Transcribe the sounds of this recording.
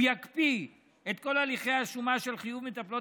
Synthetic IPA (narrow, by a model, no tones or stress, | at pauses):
jakpi | et̪ko̞laliχejaʃumaʃe̞lχijuvmet̪aplo̞